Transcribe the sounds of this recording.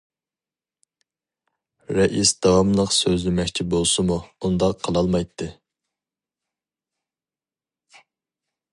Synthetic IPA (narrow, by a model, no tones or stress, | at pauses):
ɾɛʔisd̪̥ɑwɑmlˠəqsøzlɪmɛkʲt͡ʃʰibolˠsɨmuund̪ɑqʰːəlˠɑlˠmɑjt̪ʰːɨ